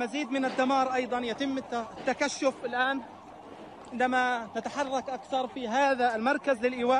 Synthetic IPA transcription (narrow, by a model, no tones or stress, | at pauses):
maziːd̪mɪnɪd̪ːamɑːɾˤʔɑjd̪ˤɑnjat̪ɪmːt̪ːakaʃːʊfɪlʔaːn | ʕɪnd̪amanat̪aħɑrˤːɑkʔakθɑɾˤfiɦaːðalmɑɾˤkazlɪlʔɪwaː